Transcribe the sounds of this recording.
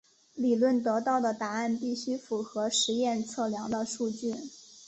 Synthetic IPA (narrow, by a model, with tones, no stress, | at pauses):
li˨˩lwə˥˩nt̪ɤ˧˥t̪ɑ˥˩ʊd̪ə˩t̪a˧˥a˥˧npi˥˩ɕy˥fu˧˥xɤ˧˥ʂɻ̩˧˥jɛ˥˧nt͡sʰɤ˥˩ljɑ˧˥ŋd̪ə˧ʂu˥˧t͡ɕy˥˩n